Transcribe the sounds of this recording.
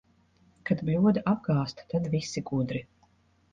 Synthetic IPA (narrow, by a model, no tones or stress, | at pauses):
kad̪blʲuɔd̪ʔab̚ɡaːst̪t̪ad̪vʲisʲːiɡud̪ɾi